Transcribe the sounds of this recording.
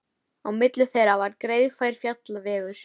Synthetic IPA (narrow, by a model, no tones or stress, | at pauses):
awmɪt̪lʏθejɾavaɾkɾeːjðfaːjɾ̥fjat̪lavɛːɣʏɾ̥